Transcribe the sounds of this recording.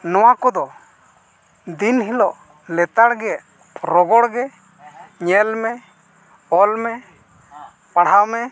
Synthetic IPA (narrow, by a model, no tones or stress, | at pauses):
nɔwakɔd̪ɔ | d̪inɦilɔʔ | lɛt̪aɽɡɛ | ɾɔɡɔɽɡɛ | ɲɛlmɛ | ɔlmɛ | paɽ̤awmɛ